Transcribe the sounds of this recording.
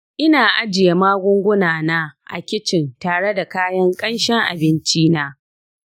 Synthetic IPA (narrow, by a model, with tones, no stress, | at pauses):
ʔɪ˦naː˨ʔa˦d͡ʒɪ˨ja˨maː˦ɡʷʊ˦ŋɡʷʊ˦naː˨naː˦ʔa̰˨kʲɪ˦t͡ʃɪ˨ntaː˨ɽe˦da˨kaː˦jɐ˦ŋkʼɐ˦nʃɛ˦ŋʔa̰˨bɪ˦nt͡ʃiː˦naː˦